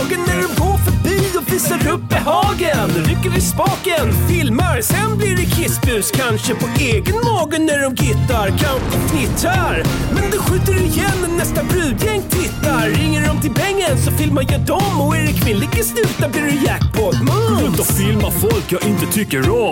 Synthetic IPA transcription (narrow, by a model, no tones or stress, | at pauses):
ɡənːæɖɔmɡoːɾfœɾbiːɔviːsaɾɵp̚ːbɛɦɑːɡənɛɾɪkːaɾɪspɑːkənfɪlmaɾsɛnblɪɖɛkʰɪsbʉ̟ːskʰanʂəpʰɔʔeːɡənmɑːɡənːæɖɔmɡɪt̪ːaɾkʰanɔkʰnɪt̪ɾaɾmɛnd̪ɛɧʉ̟ːt̪əɾɛɪjɛnːnɛst̪abɾʉ̟ːd̪jɛŋːt̪ʰɪt̪ːaɾːɪŋːəɖɔmt̪ɪlpɛŋːənsɔfɪlmanjed̪ɔmːɔeːɾɪkːvɪnlɪkːəslʉ̟ːt̪ablɪɾɛjækpʰɔd̪mɵʉt̪ɔfɪlmafɔlkjɑːɡʔɪnt̪ət̪ʰʏkːəɾɔ